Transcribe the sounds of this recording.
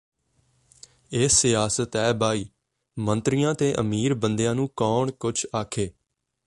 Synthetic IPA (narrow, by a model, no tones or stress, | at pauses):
eːsːɪjaːsət̪ɛːbaːiː | mə̃nt̪ɾijãːt̪eːʔə̰miːɾbənd̪ejãːnũːkɔːɳkʊt͡ʃʰaːkʰeː